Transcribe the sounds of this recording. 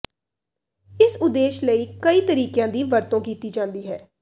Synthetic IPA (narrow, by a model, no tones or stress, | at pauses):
ɪsʊd̪eːʃləiːkəiːt̪əɾiːkjãːd̪iːʋəɾt̪õːkiːt̪iːd͡ʒãːnd̪iːɦɛː